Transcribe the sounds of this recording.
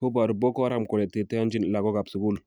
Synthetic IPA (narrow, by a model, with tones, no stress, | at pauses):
ho˦ba˨ɾbo˦ko˦ɾa˦˨mko˨le˨te˨te˦a˦nd͡ʒi˦n˨la˨ɡo˦ɡa˨bsu˨ɡu˦˨l